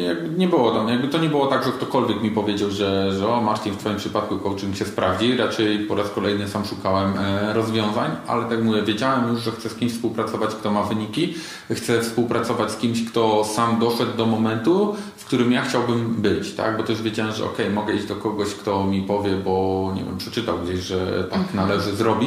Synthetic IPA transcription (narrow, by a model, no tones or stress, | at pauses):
jaɡ̚bɘɲɛbɨwɔt̪amjaɡ̚bɘt̪ɔɲɛbɨwɔt̪aɡʐɛkt̪ɔkɔlvʲjɛkmʲipɔvʲjed͡ʑawʐɛʐɛɔmaɾt̪ʲift̪fɔjimpʂɘpat̪̚kukɔwt͡ʂɨŋɕɛspɾavd͡ʑiɾat͡ʂɛjpɔɾaskɔlɛjnɘsamʂukawɛmɾɔzvʲjɔ̃w̃zaɲa̰lɛt̪akmuvjɛvʲjed͡ʑawɛmjuʂʐɛxt̪sɛskʲimɕʲfspuwpɾat̪sɔvat͡ɕkt̪ɔmavɘɲikʲi | xt̪sɛfspuwpɾat̪sɔvat͡ɕʲskʲimɕkt̪ɔsamd̪ɔʂɛd̪ːɔmɔmɛnt̪ufkt̪uɾɘmjaxt͡ɕawbɘmbɘt͡ɕt̪a̰ɡbɔt̪ɛʐvʲjed͡ʑawɛmʐɛ̰ɔ̰kɛjmɔɡɛid͡ʑd̪ɔkɔɡɔɕkt̪ɔmʲipɔvʲjɛbɔɲɛ̰vʲɛ̰mpʂɛt͡ʂɘt̪awɡd͡ʑeɕʐɛ̰t̪aknalɛʐɘzɾɔbʲi